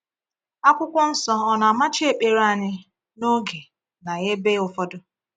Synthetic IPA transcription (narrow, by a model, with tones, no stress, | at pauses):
a˦kʷʊ˦kʷʊ˦n̩˦sɔ˦ɔ˦na˨ma˦t͡ʃe˦˨k͡pe˨ɾa˨ɲɪ˦ | no˦ɡe˨ | na˨ɣe˦be˦ʊ˨fɔ˦dʊ˦